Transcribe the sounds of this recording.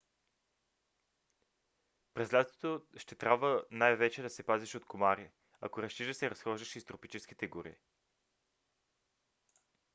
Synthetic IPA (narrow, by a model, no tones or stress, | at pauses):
pɾɛslʲat̪t̪ot̪oʃt̪ɛt̪ɾʲabvənajvɛt͡ʃɛd̪ɐsɛpaziʃot̪komaɾi | ɐ̰koɾɐst̪iʒəsɛɾɐsxɔʒd̪ɐʃist̪ɾopit͡ʃɛsk̟it̪ɛɡʊɾḭ